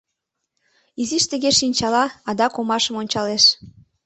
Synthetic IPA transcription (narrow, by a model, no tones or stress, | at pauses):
iziʃt̪əɣeʃinʲt͡ɕɑlɑɑd̪ɑkomɑʃə̆monʲt͡ɕɑleʃ